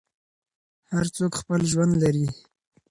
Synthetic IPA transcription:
haɾt͡sokxpəlʒwand̪laɾi

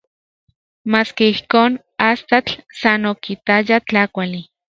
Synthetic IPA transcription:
maːskeihkoːn | ast̪at͡ɬsanokit̪ajat͡ɬakʷali

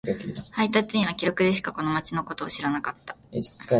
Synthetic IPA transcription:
kakʲihait̪at͡sɨɲĩβ̞akʲiɾo̞kɯ̟d̪e̞ɕɨ̥kako̞no̞mat͡ɕino̞ko̞t̪o̞ːɕiɾanakat̪ːḁe̥t͡ska

